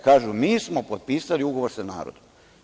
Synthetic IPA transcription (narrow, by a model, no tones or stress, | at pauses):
kaːʒumiːsmo̞pot̪̚piːsaliuɡo̞ʋoɾsana̰ːɾo̰d̪o